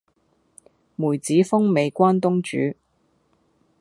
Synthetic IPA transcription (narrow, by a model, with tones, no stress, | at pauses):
muː˨˩jt͡siː˨˥fʊ˥ŋme˨˧jkʷaː˥nt̪ʊ˥ŋt͡ʃy̰ː˨˥